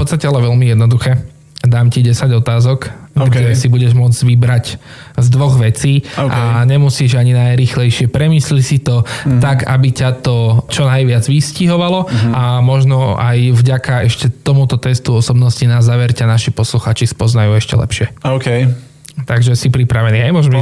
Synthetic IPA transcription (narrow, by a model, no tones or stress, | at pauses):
fpɔt̪st̪acɛalɛʋɛlmijɛd̪nɔd̪uxɛː | d̪aːmciɟɛsaɟɔt̪aːzɔkɡd͡ʒɛsibuɟɛʒmʊɔd͡zʋibɾac | zd̪ʋɔɣʋɛt͡siːaɲɛmusiːʒaɲinajɾiːxlɛjʃɪɛpɾɛmiːslicsit̪ɔt̪aɡa̰bicat̪ɔt͡ʃɔnajʋɪad͡zʋisciɦɔʋalɔamɔʒnɔa̰jvɟakaɛʃcɛt̪ɔmut̪ɔt̪ɛst̪uɔsɔbnɔscinazːaːʋɛɾcanaʃipɔsluxaːt͡ʃispɔznajuɛʃcɛ̰lɛ̰pʃɪɛɔkɛ | t̪aɡʒɛsipɾipɾaʋɛniːajmɔʒmɛ